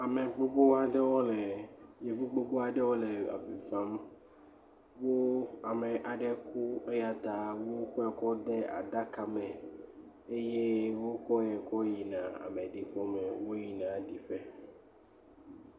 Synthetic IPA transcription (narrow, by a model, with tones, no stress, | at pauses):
a˨me˨ɡ͡bo˦ɡ͡bo˦a˨ɖɛ˦wɔ˦lɛ˨je˨vu˦ɡ͡bo˦ɡ͡bo˦a˨ɖɛ˦wo˦le˨a̰˨fi˨fã˦m | wo˦a˨mɛ˨ʔa˨ɖɛ˦ku˦e˦ja˨t̪a˨wo˦ku˦a˨kɔ˦d̪e˦a̰˨ɖa˦ka˨mɛ̃˨ | e˦je˦wo˦kɔ˦jɛ˨kɔ˦ji˨nã˨a̰˨me˨ɖi˨k͡pɔ˦mɛ˨wo˦ji˨nã˨ɖi˨ɸɛ˦